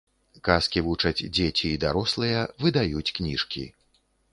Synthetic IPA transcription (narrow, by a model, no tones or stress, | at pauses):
kaskʲivut͡ʂɐt͡sʲd͡zʲet͡sʲiːd̪aɾɔslˠɨjɐvɨd̪ajut͡sʲknʲiʂkʲḭ